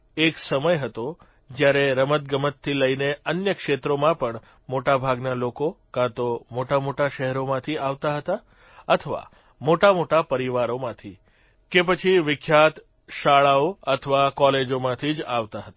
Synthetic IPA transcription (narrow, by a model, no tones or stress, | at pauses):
eksəməjɦət̪o | d͡ʒjaɾeɾəmət̪̚ɡəmət̪ʰːiləineənjəkʃet̪ɾomãpəɳ | moʈabʱaɡnalokokãt̪omoʈamoʈaʃɛɦɛɾomãt̪ʰiaʋt̪aɦət̪a | ət̪ʰəʋa̰ | moʈamoʈapəɾiʋaɾomãt̪ʰi | kep̬ət͡ʃʰiʋɪkʰjat̪ | ʃaɭaoət̪ʰəʋakɔled͡ʒomãt̪ʰid͡ʒaʋt̪aɦət̪a